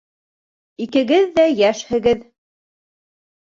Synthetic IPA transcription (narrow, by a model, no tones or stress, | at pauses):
ikɘ̆ɡɘðːæjæʃhɘ̆ɡɘð